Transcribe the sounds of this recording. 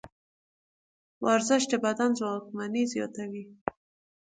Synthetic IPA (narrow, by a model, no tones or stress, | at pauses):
wʔɑɾzɪʃ̬d̪əbad̪anzwɑkmanizjɑ̰t̪awi